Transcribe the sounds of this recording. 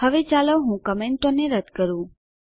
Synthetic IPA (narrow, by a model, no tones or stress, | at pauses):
ɦəʋet͡ʃaləɦũkəmeɳʈoneɾəd̪kəɾũ